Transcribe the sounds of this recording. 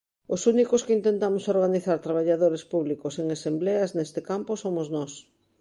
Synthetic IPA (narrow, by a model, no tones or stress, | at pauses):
ʊsunikʊskeint̪ẽnt̪amʊsoɾɣaniθaɾt̪ɾaβ̞aʎaðoɾespuβlikoseŋesembleɐznest̪ɪkamposomʊznɔs